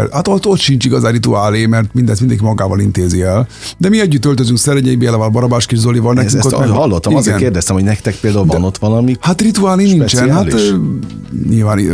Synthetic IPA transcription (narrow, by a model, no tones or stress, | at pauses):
lhat̪ot̪ːo̞t̪ʃint͡ʃiɡɒzaːrit̪uaːlemɛrt̪mind̪ɛst̪ind̪ɛŋk̬imɒɡaːvɒlint̪eːziɛl | d̪ɛmiɛɟːyt̪ːølt̪øzyŋksɛɾɛɲeibelɛvɔːlbɒɾɒbaːʃkiʒzolivɒlnɛyŋkohɒlːot̪ːɒmizɡɛɛnkeːrd̪ɛst̪ɛmhoɟnɛkt̪ɛk̚peːld̪aulvɔnot̪ʋɒlɒmihat̪rit̪uaːliniɲt͡ʃɛnha | ɲilvaːn